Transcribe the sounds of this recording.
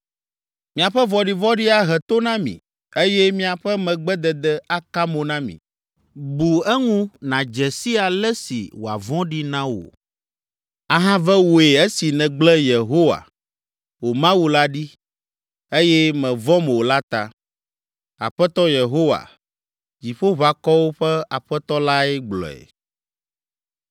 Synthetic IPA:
mĩ˨a˨ɸɛ˦vɔ˨ɖi˨vɔ˦ɖi˦a˦ɦɛ˨t̪o˦nã˦mḭ̃˨ | e˦jɛ˦mĩ˦a˨ɸɛ˦mɛ̃˨ɡ͡bɛ˦d̪ɛ˨d̪ɛ˦a˦ka˦mo˨nã˦mḭ̃˨ | bu˨ɛ˦ŋũ˦nã˨d͡ʒɛ˨si˦a˨lɛ˦sḭ˨wo˨a̰˨vɔ̃˦ɖi˦nã˦wo̰˨ | a˨ɦã˦vɛ˦wo˨e˨ɛ˦si˨nɛ̃˨ɡ͡blɛ˦je˨ɦo˦wa̰˨ | wo˨mã˦wu˦la˦ɖi˦ | e˦jɛ˦mɛ̃˨vɔ̃˦mɛ˨wo˨la˦t̪a˨ | a̰˨ɸɛ˦t̪ɔ˦je˨ɦo˦wa̰˨ | d͡ʑi˨ɸo˦βa˨kɔ˦wo˦ɸɛ˦a˨ɸɛ˦t̪ɔ˦la˦ɛ˦ɡ͡blɔ̰˨ɛ̰˨

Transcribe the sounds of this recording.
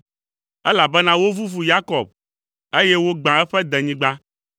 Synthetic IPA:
ɛ˦la˨bɛ˦nã˦wo˦vu˦vu˨ja˦kɔ˨b̚ | e˦jɛ˦wo˦ɡ͡bã˨ɛ˦ɸɛ˦d̪ɛ̃˨ɲĩ˦ɡ͡bã˦

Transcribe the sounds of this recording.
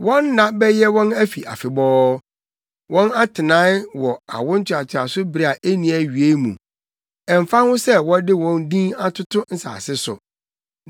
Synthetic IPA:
wɔ̃˦nːã˨bɛ˦jɛ˦wɔ̃˦næ˦fi˨ʔa̰˨fɪ˨bɔː˦ | wɔ̃˦na˦tʰɪ˨nãː˦wɔ˨a̰˨wʊ̃˦n̩˦t͡ɕʰᶣɪ˨a˨t͡ɕʰɪ˨a˨sʊ˦bi˨ɾa˨ʔe˦nĩ˨æ˨ɥi˨e˦mṵ̃˨ | ɛ̃˨m˨fa˦hʊ̃˦sɛ˦wɔ̃˦dɪ˦wɔ̃˦ndĩ˦a˦tʰʊ˦tʰʊ˦n̩˦sa̰ː˨sɪ˦sʊ̰˨

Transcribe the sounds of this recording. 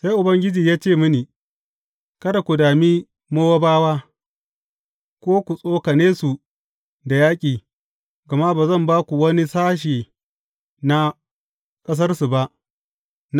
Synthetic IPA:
sa˦jʔʊ˨bɐ˦ŋɡʲɪ˦d͡ʒiː˨jaː˦t͡ʃeː˦˨mʊ˦niː˨ | kɐ˦da˨kʷu˨daː˨miː˦ | moː˦wa˦baː˦waː˦ | kʷoː˦kʷu˨sʼoː˦ka˨neː˦su˨ | da˨jaː˦kʲʼiː˨ | ɡɐ˨ma˦baː˨zɐ˦˨mbaː˦kʷu˨wɐ˦ni˦saː˦ʃ̬iː˨ | na˦ | kʼɐ˦s̬ɐ˦rsu˨ba˦ʔ | n

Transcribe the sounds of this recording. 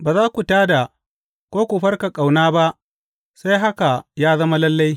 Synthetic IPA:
baː˨zaː˦kʷu˨taː˦da˨ | kʷoː˦kʷu˨ɸɐ˦rka˨kʼa˨wnaː˦ba˦ʔ | sa˦jɦa˦ka˨jaː˦zɐ˦ma˦lɐ˦lːa˦j

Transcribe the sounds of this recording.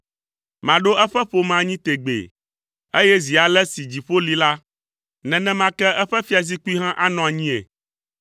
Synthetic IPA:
mã˨ɖo˦ɛ˦ɸɛ˦ɸo˦mã˨ɲĩ˦t̪e˨ɡ͡bḛ˨ | e˦jɛ˦zi˨a˨lɛ˦si˨d͡ʑi˨ɸo˦li˨la˦ | nɛ̃˨nɛ̃˦mã˦kɛ˦ʔɛ˦ɸɛ˦fi˦a˨zi˦ku˦i˦ɦã˦ʔa˦nɔ̃˨a˨ɲĩ˦ḛ˨

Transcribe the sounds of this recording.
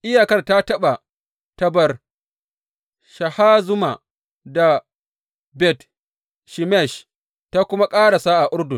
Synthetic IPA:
ʔɪ˦jaː˨kɐ˦˨rta˦tɐ˦ɓa˨ | tɐ˨bɐ˨r | ʃɐ˨haː˦zʊ˦ma˨ | da˨ | bɛ˨t | ʃi˨mɛ˦˨ʃ | ta˦kʷʊ˦ma˦kʼaː˦ɽa˨sa˦ʔa˨ʔʊ˦rdʊ˨n

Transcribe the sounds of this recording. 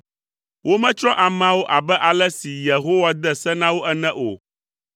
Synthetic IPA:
wo˦mɛ̃˦t͡ʃɾɔ˦ʔa˨mã˦wo˦ʔa˨bɛ˦ʔa˨lɛ˦si˨je˨ɦo˦wa˦d̪ɛ˦sɛ˦nã˦wo˦ʔɛ˦nɛ̃˦ʔo̰˨

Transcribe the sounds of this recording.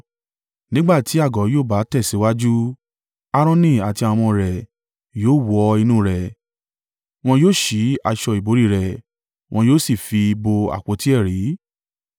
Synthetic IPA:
nĩ˦ɡ͡ba˦˨ti˨˦a˦˨ɡɔ˨˦joː˦˨ba˨˦tɛ˦˨si˨˦wa˦d͡ʒu˦ | a˧ɾ̃ɔ̃˧nĩ˦˨a˨ti˧a˧w̃ɔ̃˧ɾɛ˨ | joː˦˨wɔ˧i˧nũː˦ɾɛ˨ | w̃ɔ̃˧joː˦˨ʃi˨˦a˧ʃɔ˧i˨bo˨˦ɾi˦˨ɾɛ˨ | w̃ɔ̃˧joː˦˨si˦˨fi˧bo˧a̰˨k͡po˨˧˦ti˦ɛ˦˨ɾi˨˦

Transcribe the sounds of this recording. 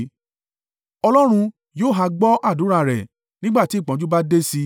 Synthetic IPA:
ɔ˧lɔ˦ɾ̃ũ˧ | joː˦˨ɦa˧ɡ͡bɔ˦ʔa˦˨du˨˦ɾa˦˨ɾɛ˨ | nĩ˦ɡ͡ba˦˨ti˨˦˨k͡pã˨˦d͡ʒu˦ba˦de˦si˧

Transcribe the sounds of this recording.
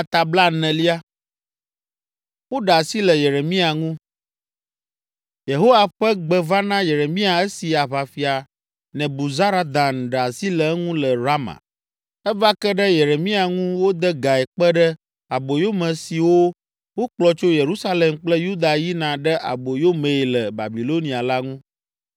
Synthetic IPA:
a˨t̪a˨bla˦nɛ̃˨li˦a˦ | wo˦ɖa˨si˦lə˨je˨ɾe˨mĩ˦a˨ŋũ˦ | je˨ɦo˦wa˨ɸə˦ɡ͡bə˨va˦nã˦je˨ɾe˨mĩ˦a˨ɛ˦si˨a˨βa˨fi˨a˨ | nɛ̃˨bu˨za˦ɾa˦d̪ã˨n˨ɖə˨a˨si˦lə˨˦ŋũ˦lə˨ɾa˦mã̰˨ | ɛ˦va˦kə˦ɖə˦je˨ɾe˨mĩ˦a˨ŋũ˦wo˦d̪ə˦ɡa˨ɛ˨k͡pə˦ɖə˦ | a˨bo˨jo˦mɛ̃˨si˨wo˦ | wo˦k͡plɔ˨t͡ʃo˦je˨ɾu˦sa˦le˨mk͡plə˦ju˦d̪a˨ji˦nã˨ɖə˦ʔa̰˨bo˨jo˦mẽ˨i˨lə˨ba̰˨bi˨lo˦nĩ˨a˨la˦ŋũ˦

